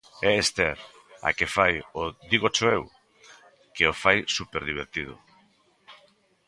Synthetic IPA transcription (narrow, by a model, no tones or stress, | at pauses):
ɛest̪eɾ | a̰kefajod̪iɣot͡ʃoew | keofajsupeɾðiβ̞eɾt̪iðo̰